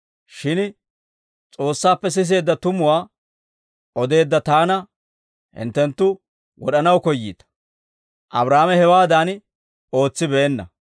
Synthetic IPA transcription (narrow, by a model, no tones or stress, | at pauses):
ʃɪn | t͡sʼo̞ːsːaːpːɛs̬ɪs̬e̞ːd̪ːɐt̪ʊmʊwaː | ʔɔd̪e̞ːd̪ːɐt̪aːnɐ | hɪ̰nt̪ːɛnt̪ːʊ | wɔ̰ɗɐnɐwkɔjːḭːt̪ɐ̥ | ʔɐbɾaːmɛhɛwaːd̪an | o̞ːt͡sːɪbɛɛnːɐ